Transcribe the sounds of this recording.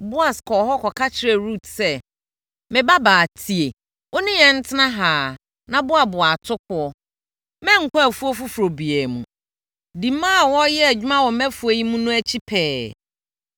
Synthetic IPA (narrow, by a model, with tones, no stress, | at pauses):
bʊ˦a˨skʰɔ˨ɦɔ˦kʰɔ˨kʰa˦t͡ɕʰɪ˨ɾe˨ɾu˦˨tsɛ˦ | mɪ̃˨ba˦baː˨tʰi˨e˨ | wʔo˦nĩ˦jɛ˨n̩˦tʰɪ˦nã˦ɦaː˨ | nã˨bʊ˦a˨bʊ˨a˨tʰʊ˦kʰʊ˨ɔ˦ | mɛ̃˦ŋ̩˨kʰʷɔ˦æ˨fu˦o˦fu˦fu˨ɾo˨bi˨ɛ˨mũ˨ | dĩ˨mã˦˨wɔ˦jɛ˦˨d͡ʑᶣmã˦wɔ̃˨mɛ̃˦fu˦e˦ji˦mũ˦nũ˦æ˦t͡ɕʰi˦pʰɛː˨˦